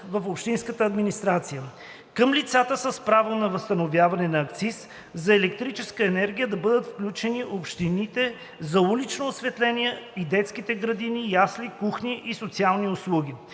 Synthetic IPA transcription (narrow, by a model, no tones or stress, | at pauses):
vɐfopʃt̪inskət̪əɐd̪minist̪ɾat̪sijə | kəmlit̪sat̪əsəspɾavonɐvəst̪ɐnovʲjavɐnɛnɐːkt̪sis | zɐɛlɛkt̪ɾit͡ʃɛskəɛnɛɾɡ̟ʲijəd̪ɐbɤd̪ət̪fklʲut͡ʃɛniʔopʃt̪init̪ɛ | zɐulit͡ʃnoːsvɛt̪lɛnʲiɛid̪ɛt̪skit̪ɛɡɾɐd̪inijaslikuxniʔisot̪sialˠniʊslˠuɡ̟ʲi